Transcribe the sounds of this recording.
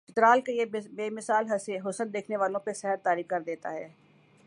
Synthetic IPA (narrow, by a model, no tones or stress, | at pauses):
ɪt̪ɾaːlkejebeːmɪsaːlɦɦʊsənd̪eːkʰneʋaːlõpesɛɦəɾt̪aːɾiːfkɐɾd̪eːt̪a̰ɦɛː